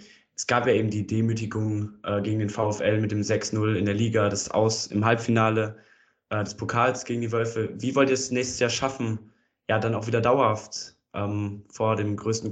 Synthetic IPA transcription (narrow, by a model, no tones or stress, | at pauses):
ʔɛsɡ̥aːpjaːʔeːbm̩diːdeːmyːtɪɡʊŋʔɛːɡeːɡŋ̩deːnfaʊɛfɛlmɪt̚d̥eːmzɛksnʊlɪndeːɐliːɡadasʔa̰ʊsɪ̰mɦalpfinaːlə | ʔɛːdɛspʰokʰaːlsɡ̥eːɡŋ̩diːvœlfəviːvɔltiɐɛsnɛːçstə̥sjaːɐʃafn̩ | jaːdanaʊxv̥iːdɐdaʊɐhaft | ʔɛːmfoːɐdeːmɡʁøːstn̩